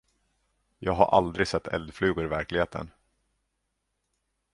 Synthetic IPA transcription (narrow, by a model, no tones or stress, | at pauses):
jɑːɡɦaɾʔa̰ld̪ɾɪsɛt̪ʰːɛ̰ld̪flʉ̟ːɡʊɾɪvæɾklɪɡheːt̪ʰə̰n